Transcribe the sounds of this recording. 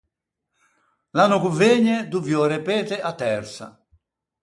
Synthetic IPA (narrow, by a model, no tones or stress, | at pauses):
lanokuveːɲɛd̪uvjɔɾepeːt̪ɛʔat̪ːɛrsa̰